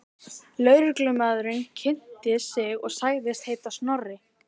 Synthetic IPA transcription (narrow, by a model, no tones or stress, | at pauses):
lœːɥɾɪklʏmaðɾɪncʰɪn̥t̪ɪsɪɣɔɣsaːjɣðɪst̪hejt̪asnɔrɪ